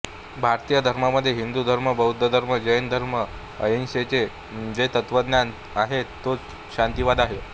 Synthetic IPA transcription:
bʱaɾt̪ijəd̪ʱəɾmaməd̪ʱːjeɦind̪ud̪ʱəɾməbəɦud̪ʱːəd̪ʱəɾməd͡ʑəjənd̪ʱəɾmə | əjenset͡se | d͡zet̪ət̪ʋəd̪njan | aɦet̪ːo | ɕant̪iʋad̪aɦe

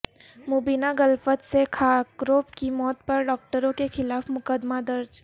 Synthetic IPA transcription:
moːbiːnaɡəlfət̪sekʰaːkɾoːpkimɔːt̪̚pɐɾɖɔːk̚ʈəɾõkexɪlaːfmʊkəd̪mad̪ɐɾd͡ʒ

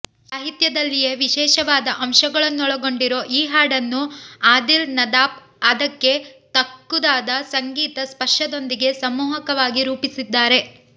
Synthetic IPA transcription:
saːɦit̪jɐd̪ɐlːije̞ʋiʃɛːʃɐʋaːd̪ɐʔɐmʃɐɡɐɭɐnːuɔɭɐɡo̞ɳɖiɾo̞ːʔiːɦaːɽɐnːuaːd̪ilnɐd̪aːp | ɐd̪ɐkːe̞t̪ɐkːud̪aːd̪ɐsɐŋɡiːt̪ɐspɐʂɐd̪o̞nd̪iɡe̞sɐmːuːɦɐkɐʋaːɡiɾuːpisid̪ːaːɾe̞

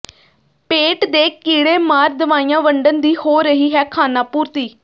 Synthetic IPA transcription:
peːʈd̪eːkiːɽeːmaːɾd̪əʋaːijãːʋəɳɖənd̪iːhoːɾəɦiːɦɛːkʰaːnaːpuːɾt̪iː

